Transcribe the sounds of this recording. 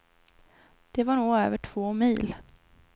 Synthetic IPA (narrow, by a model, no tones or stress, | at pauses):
d̪̥ɛvaɳuːɡø̰ːvəʈʰv̥oːmiːl